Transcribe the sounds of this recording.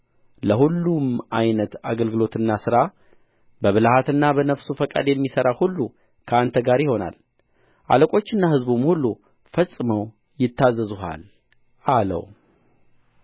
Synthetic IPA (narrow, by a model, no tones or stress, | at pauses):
ləhulːumajnət̪aɡəlɡɨlo̞t̪ɨnːasɨɾa | bəβɨlahat̪ɨnːabənəfsufəkʼa̰d̪jɛmːisəɾahulːu | kʰəant̪ʰəɡaɾjɪho̞na̰l | ʔa̰ləkʼo̞t͡ʃːɨnːahɨzbumhulːu | fəsʼːɨməw | jɪt̪ʰːazːəzuɦa̰l | ʔalə̰w